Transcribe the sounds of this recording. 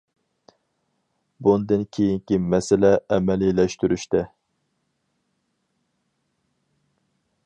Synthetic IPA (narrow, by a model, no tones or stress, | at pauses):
bunɨd̪ɨnkʲʰejiŋkʲimɛsɪlɛɛmɛlilɛʃt̪yɾyʃt̪ɛ